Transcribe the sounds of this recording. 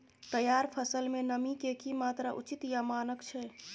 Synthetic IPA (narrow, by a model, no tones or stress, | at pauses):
t̪əjaɾpʰəsəlmenəmikekimat̪ɾaʔut͡ʃit̪jamaːnəkt͡ʃʰɛ